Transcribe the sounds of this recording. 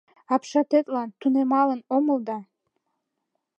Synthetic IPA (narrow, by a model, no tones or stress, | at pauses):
ɑpʃɑt̪et̪lɑnt̪unemɑlə̆nomə̆ld̪ɑ